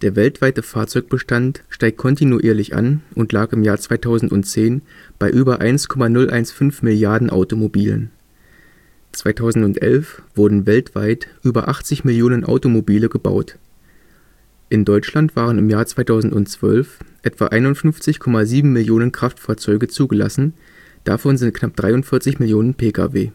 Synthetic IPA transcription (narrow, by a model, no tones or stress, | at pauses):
d̥eːɐvɛltv̥aɪtəfaːɐt͡sɔʏk̚b̥əʃtantʃtaɪk̚kʰɔntinuʔiːɐlɪçʔa̰nʔʊntlaːkɪmjaːɐt͡sv̥aɪtʰaʊzn̩tʊ̰ntt͡seːnb̥aɪʔyːbɐʔa̰ɪnskʰɔmanʊlʔaɪnsfʏnfmɪljaɐdn̩ʔa̰ʊtomobiːlə̰n | t͡sv̥aɪtʰaʊzn̩tʊntʔɛ̰lfv̥ʊɐdn̩vɛltv̥a̰ɪtʔyːbɐ̰ʔaχt͡sɪçmɪljoːnənʔa̰ʊtomobiːləɡəba̰ʊt | ʔɪndɔʏt͡ʃlantv̥aːʁ̞ənɪmjaːɐt͡sv̥aɪtʰaʊzn̩tʊntt͡sv̥œ̰lfʔɛtv̥a̰ʔaɪnʊntfʏnft͡sɪçkʰɔmaziːbm̩mɪljoːnənkʁ̥aftfaːɐt͡sɔʏɡət͡suːɡəla̰sn̩ | d̥a̰fɔnzɪnt̚kʰnap̚d̥ʁaɪʊntfɪɐt͡sɪçmɪljoːnənpʰeːkʰa̰veː